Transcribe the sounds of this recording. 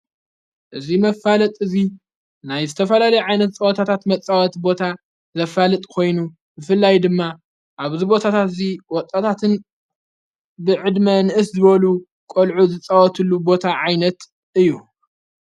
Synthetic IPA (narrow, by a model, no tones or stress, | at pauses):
ʔɨzimɐfalɐt̪ʼɨzi | najzɨt̪ʰɐfɐlalɐjuʕajnɐt̪t͡sʼɐwɔt̪ʰat̪ʰat̪mɐt͡sʼawɐt̪bo̞t̪ʰa | zɐfalɨt̪ʼkʰo̞jnu | bɨfɨlːajd̪ɨmːa | ʔaβzibo̞t̪ʰat̪ʰat̪ziwɔt̪ʼat̪ʰat̪ʰɨn | bɨʕɨd̪mɐnɨʔɨszɨβɐlu | kʼolʕuzɨt͡sʼawɔt̪ʰɨlːubo̞t̪ʰaʕajnɐt̪ | ɨjːu